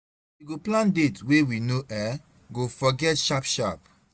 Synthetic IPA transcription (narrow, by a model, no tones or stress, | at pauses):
wiɡoplãndetwewinoʔɛ | ɡofɔɡɛtʃapʃap̚